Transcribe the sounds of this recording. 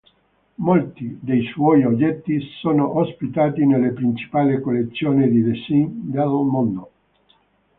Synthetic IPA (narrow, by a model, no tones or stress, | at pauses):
molt̪id̪ejswɔjod͡ʒɛt̪ːisoːnoʔospit̪aːt̪inelːepɾint͡ʃi̥paːlekolːet̪sːjoːnid̪id̪esind̪elmond̪o